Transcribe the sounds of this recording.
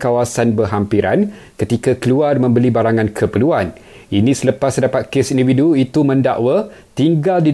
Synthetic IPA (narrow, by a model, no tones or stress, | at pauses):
kawasanbərɦampiɾan | kət̪ikakəluarmə̃mbəlibaɾaŋãnkʰəpəluan | inĩsələpasdapat̪̚kesindividuit̪umə̃nda̰ʔwa | t̪iŋɡaldi